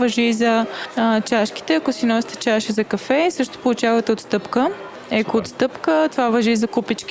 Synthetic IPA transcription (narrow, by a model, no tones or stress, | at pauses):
vɐʒizɐt͡ʃaʃki̥t̪ɛɐkosinɔsʲt̪ɛ̥t͡ʃaʃəzɐkɐfɛisɤʃt̪o̥polˠut͡ʃavɐt̪ɛot̪st̪ɤpkə | ɛkoːt̪st̪ɤpkət̪ovavɐʒizɐkupit͡ʃk